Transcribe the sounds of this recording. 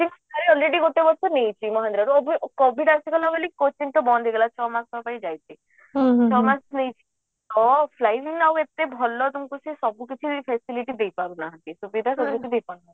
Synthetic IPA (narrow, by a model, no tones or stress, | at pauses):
t̪ʰiŋsaɾeɔlɾeɽiɡoʈːebɔɾsɔnejt͡ʃʰimɔɦãnd̪ɾaɾuɔbʱikɔbʱiɖasikɔlaɡelikot͡ʃiŋt̪ɔbɔnd̪ʱiɡlat͡ʃʰɔmaksɔpajd͡ʒajt͡ʃʰi | t͡ʃʰɔmasnejt͡ʃʰi̥ | t̪ɔpʰlajʋiŋawet̪ːebʱɔlːɔt̪umkusʰisɔbukit͡ʃʰipʰesiliʈid̪ejpaɾunaɦãt̪isubid̪ʱasɔbukid̪ejpanu